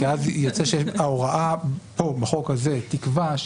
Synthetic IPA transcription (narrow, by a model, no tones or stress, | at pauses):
eazjot͡seʃeaoʁaʔapo̞beχo̞khazet̪ikva